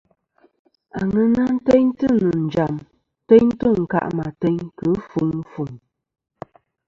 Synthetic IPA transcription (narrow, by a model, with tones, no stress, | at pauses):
a˨ŋɨ˦na˦n̩˦tɛ˦ɲtɨ˦nɨ˨n̩˨d͡ʒa˨m˦ | tɛ˦ɲ˦tɨ˦ŋ̩˨ka̰˦˨ʔma˨tɛ˦ɲkɨ˨˦fu˨˦ŋ˦fu˨ŋ